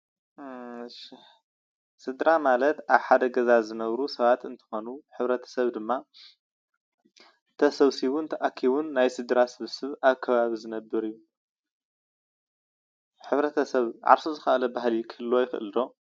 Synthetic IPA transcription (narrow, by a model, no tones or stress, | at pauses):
ʃi | sɨd̪ɾamalɐt̪ʔaβħad̪ɐɡɐzazɨnɐβɾusɐβat̪ɨnt̪ʰɨ̥xo̞nuħɨβɾɐt̪ʰɐ̥sɐβd̪ɨmːa | t̪ʰɐsɐβsiβunt̪ʰɐʔakʰːiβunːajsɨd̪ɾasɨβsɨβaβkʰːɐβaβizɨnɐbːɨɾijːu | ħɨβɾɐt̪ʰɐsɐβʕa̰ɾsozɨxɐʔlɐbaɦlikʰɨlːojɪxɨʔɨ̰ld̪o̞